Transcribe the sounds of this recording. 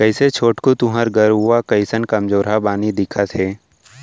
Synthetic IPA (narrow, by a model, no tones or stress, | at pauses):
kəɪset͡ʃʰoːʈkot̪ʊɦəɾɡəɾuakɐɪsənkɐmd͡ʒoːɾɦabaːnid̪ɪkʰat̪ʰeː